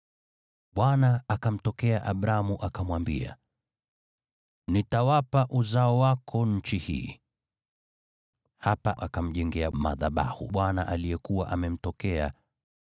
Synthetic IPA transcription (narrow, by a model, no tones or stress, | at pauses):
ɓwanaakam̩tɔkɛaʔaɓɾamuʔakamwambḭa̰ | nitawapaʔuzaɔwakʰɔɲ̩t͡ʃihḭː | hapaʔakam̩ʄɛŋɡɛama̰ðaɓa̰hṵɓwanaʔalijɛkuwaʔamɛm̩tɔkɛa̰